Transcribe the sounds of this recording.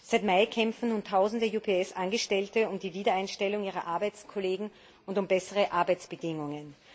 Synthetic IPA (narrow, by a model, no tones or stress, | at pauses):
z̥aɪtmaɪkʰɛmfn̩nuːntʰaʊzn̩dəjuːpʰeɛsʔanɡəʃtɛltəʊmdiːviːdɐaɪnʃtɛlʊŋiːʁɐʔaɐbaɪt͡skʰoleːɡŋ̩ | ʔʊntʊmbɛsəʁəʔaɐbæɪt͡sb̥ədɪŋʊŋən